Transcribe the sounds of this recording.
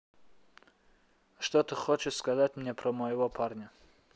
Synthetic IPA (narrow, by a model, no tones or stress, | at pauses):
ʂt̪ot̪ɨχot͡ʃɪʂskazatʲmnʲɛpɾɐmɐjɪvɔpʰarnʲɐ